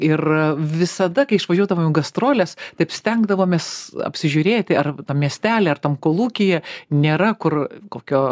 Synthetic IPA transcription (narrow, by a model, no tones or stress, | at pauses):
ɪrʋʲɪsɐd̪ɐkɐɪɪʃʋɐʒʲuɔd̪ɐʋoːmɛɡɐst̪ɾoːlʲest̪ɐɪpsʲt̪ʲɛŋɡd̪ɐʋoːmʲesɐ̰pʲsʲɪʒʲʊɾʲeːt̪ʲɪɐrt̪ɐmmʲiɛsʲt̪ʲæːlʲɛːɐrt̪ɐmkoːlˠuːkʲɪjɛnʲeːɾɐkʊrkoːkʲoː